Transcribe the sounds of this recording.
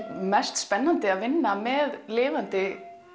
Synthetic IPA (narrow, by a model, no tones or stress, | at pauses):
mɛst̪spɛnːant̪ɪaðvɪnːamɛðlɪːvant̪ɪ